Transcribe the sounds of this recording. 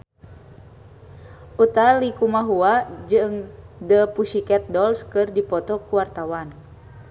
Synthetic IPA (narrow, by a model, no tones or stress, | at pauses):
ʔut̪alikumaɦuad͡ʒɨŋdəpuʃikɛt̪̚dɔlskɨrdipɔt̪ɔkuwart̪awan